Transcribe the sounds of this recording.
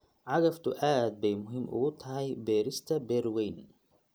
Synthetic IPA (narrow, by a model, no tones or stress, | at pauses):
ʕaɡæft̪ʊʔæːt̪̚bemʊɦɪmːʔoːt̪hajbeːɾɪst̪æbeɾwiːn